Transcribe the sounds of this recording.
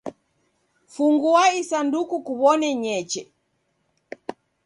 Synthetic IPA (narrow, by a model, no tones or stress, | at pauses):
fuŋɡuaisandukukuβɔnɛɲɛt͡ʃɛ